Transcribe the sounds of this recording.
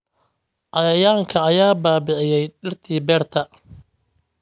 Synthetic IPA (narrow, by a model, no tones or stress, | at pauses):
ʔɑjɐjaːŋkʰɐːjaːbaːbɪʕɪjɛjɖɪrt̪ʰiːbɛːrt̪ʰɐ